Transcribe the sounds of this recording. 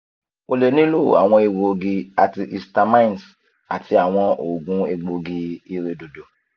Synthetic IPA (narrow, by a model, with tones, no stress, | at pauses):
o˧le˨˦nĩ˦lo˦˨a̰˨w̃ɔ̃˧e˧wo˧ɡi˧a˨ti˧ʔi˧sta˧mã˦ĩ˦˨n˨s | a̰˨tʰi˧a˨w̃ɔ̃˧ʔo˨ɡũ˨˦e˧ɡ͡bo˧ɡi˧i˧ɾe˧do˨do˨